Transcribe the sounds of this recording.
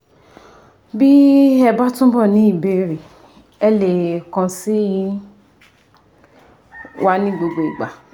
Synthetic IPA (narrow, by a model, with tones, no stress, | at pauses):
bi˦ɛ˧ba˦tũ˦bɔ˦˨nĩ˨˦i˦˨be˨˦ɾi˨ | ɛ˧le˨kã˧si˦ | wʔa˦nĩ˦ɡ͡bo˧ɡ͡bo˨i˨ɡ͡ba˨